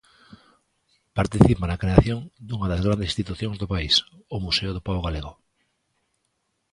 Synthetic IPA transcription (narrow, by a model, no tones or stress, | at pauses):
paɾt̪iθipanakɾeaθjoŋd̪uŋaðazɣɾand̪esist̪it̪uθjõŋzðopaisomuseʊðʊpaoɣaleɣo